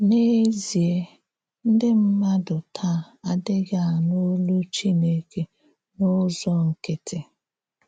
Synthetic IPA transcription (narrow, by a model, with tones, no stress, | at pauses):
ne˦zi˨e˦ | n̩˦dɪ˦m̩˦ma˦dʊ˨tʰa˦˨ | a˨dɪ˦ɡa˨no˦lu˦t͡ʃi˦ne˦ke˦ | no˦zɔ˦ŋ̩˨ke˦tʰe˨